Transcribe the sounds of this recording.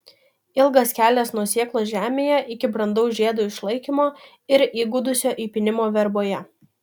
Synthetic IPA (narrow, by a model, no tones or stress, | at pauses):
ɪlˠɡɐskʲæːlʲɛsnuɔsʲiɛklˠoːʒʲæːmʲeːjɛʔɪkʲɪbɾɐnd̪ɐʊsʒʲeɛd̪uːɪʃlˠɐɪkʲimoː | ɪɾiːɡʊd̪ʊsʲoːʔiːpʲɪnʲɪmoːʋʲɛɾboːjɛ